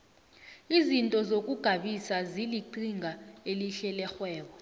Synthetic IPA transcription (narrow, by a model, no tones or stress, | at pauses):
izintʼɔzokʼuɡ̥ʱaɓisaziliǃiŋʱaeliɬɛlɛxwɛːɓɔ